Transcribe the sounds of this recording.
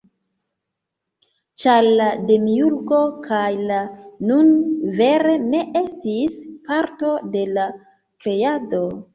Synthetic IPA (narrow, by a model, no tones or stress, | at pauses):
t͡ʃaɾlademiuɾɡo̞kʰajlanunve̞ɾe̞ne̞ʔe̞stispaɾto̞de̞la | kɾe̞ado̞